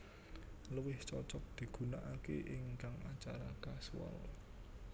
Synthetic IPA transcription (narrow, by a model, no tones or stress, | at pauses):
ləwɪht͡ʃɔt͡ʃɔk̚d̪̥i̤ɡ̥ṳnaʔakḛʔɪŋkaŋat͡ʃaɾakaswɔ̰l